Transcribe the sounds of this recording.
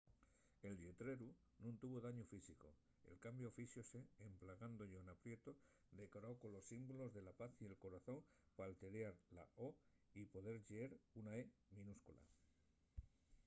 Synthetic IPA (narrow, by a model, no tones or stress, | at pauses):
e̞ld̪jet̪ɾe̞ɾu | nũnt̪uβo̞ðaɲofisiko̞̰ | ḛlkambjofisjoseːmplaɣ̞and̪oʎoenapɾje̞t̪o̞ | d̪e̞koɾawko̞lo̞sːimbulo̞zðe̞lapaθie̞lko̞ɾaθo̞ŋ | palt̪e̞ɾjaɾla̰ʔo | ipo̞ð̞e̞ɾʎeeɾunaemĩnuskula̰